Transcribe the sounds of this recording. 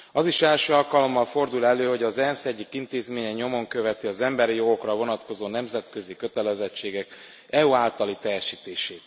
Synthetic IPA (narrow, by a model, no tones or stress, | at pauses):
ɒziʃɛlʃøːɒlkɒlo̞mːɒlfo̞rd̪ulɛlːøːɦo̞ɟɒzɛnsɛɟːikint̪eːzmeːɲɛɲo̞mo̞ŋkøvɛt̪iɒzɛmbɛɾijo̞ɡo̞krɒvo̞nɒt̪ko̞zoːnɛmzɛt̪kø̞zikø̞t̪ɛlɛzɛt͡ʃːeːɡɛk | ɛuaːlt̪ɒlit̪ɛjɛʃiːt̪eːʃeːt̪